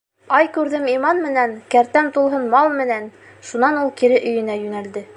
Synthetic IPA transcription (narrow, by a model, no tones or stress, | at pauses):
ɑjkʉɾðɘmimɑnmɘ̆nænkæɾt̪æmt̪ulˠɦɤnmɑlˠmɘ̆næn | ʃunɑnulˠkiɾɘʔɵ̆jɘ̆næjʉnæld̪ɘ